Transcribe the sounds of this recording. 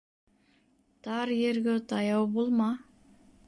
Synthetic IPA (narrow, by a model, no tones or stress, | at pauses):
t̪ɑɾjeɾɡøt̪ɑjɑwbolˠmɑ